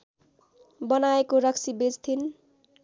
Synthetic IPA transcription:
bʌnaekoɾʌksibed͡zt̪ʰin

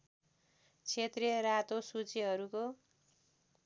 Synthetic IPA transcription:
t͡sʰet̪riʌɾat̪osut͡siɦʌɾuko

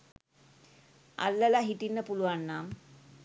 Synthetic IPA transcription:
a̰lːəlaɦiʈinːəpuluʋanːam

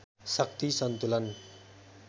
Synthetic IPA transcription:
sak̚t̪isɔnt̪ulan

